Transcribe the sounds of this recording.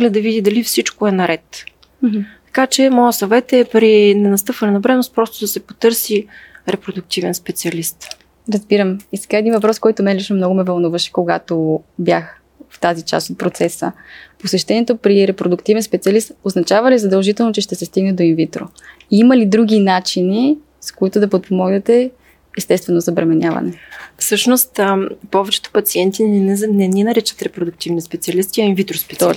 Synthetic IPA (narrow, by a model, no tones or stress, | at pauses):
lʲɛd̪ɐvid̪id̪ɐlifsit͡ʃkoɛnɐɾɛt̪ | t̪ɐ̥kat͡ʃɛmɔjəsɐvɛt̪ɛpɾinɛnɐst̪ɤpvɐnɛnɐbɾɛnost̪̚pɾɔst̪ʊd̪ɐsɛpot̪ɤɾsiɾɛpɾod̪ʊk̚t̪ivɛnspɛt̪siɐlist̪ | ɾɐzbiɾəmisɛ̥ɡaɛd̪invɐpɾɔskɔjt̪oʊmɛlit͡ʃnomnɔɡʊmɛvɐlˠnuvəʃɛ̥koɡat̪objax | ft̪azit͡ʃa̰st̪ot̪̚pɾot̪sɛsə̰posɛʃt̪ɛniɛt̪opɾiɾɛpɾod̪ʊkt̪ivɛnspɛt̪siɐlist̪oznɐt͡ʃavɐlizɐd̪əlˠʒit̪ɛlˠnot͡ʃɛʃt̪ɛsɛst̪iɡnɛd̪oinvit̪ɾo̰ | iimɐlid̪ɾuɡ̟ʲinat͡ʃini | skoit̪ʊd̪ɐpot̪̚pomɔɡnɛt̪ɛ | ɛst̪ɛst̪vɛnozɐbɾɛmɛnʲavɐ̰nɛfsɤʃnost̪pɔvɛt͡ʃɛ̥t̪o̥pɐt̪siɛnt̪inɛninɐɾit͡ʃə̥t̪ɾɛpɾod̪ʊk̚t̪ivnispɛt̪siɐlist̪iɐinvit̪ɾosp̪